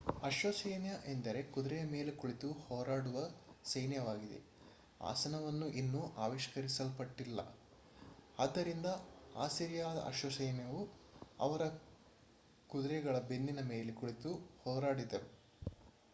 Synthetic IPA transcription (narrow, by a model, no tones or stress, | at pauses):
ɐʃʋɐsɐjnjɐʔend̪ɐɾe̞kud̪ɾɛjɐme̞ːlekuɭit̪uhɔːɾaːɽuʋɐsɐjnjɐʋaːɡid̪e̞̰ | a̰ːsɐnɐʋɐnːuʔinːuʔaːʋiʃkɐɾisɐlpɐʈːilːɐ̰ | aːd̪ːɐɾind̪ɐa̰ːsiɾijaːd̪ɐ̰ʔɐ̰ʃʋɐsɐjnjɐʋuɐ̰ʋɐɾɐ | kud̪ɾɛɡɐɭɐbenːinɐmeːlekuɭit̪uhɔːɾaːɽid̪e